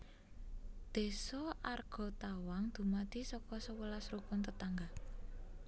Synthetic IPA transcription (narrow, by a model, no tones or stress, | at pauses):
d̪̥e̤sɔʔarɡ̥ɔ̤t̪awaŋd̪̥ṳmad̪̥i̤sɔkɔsəwəlasɾukʊnt̪ət̪aŋɡa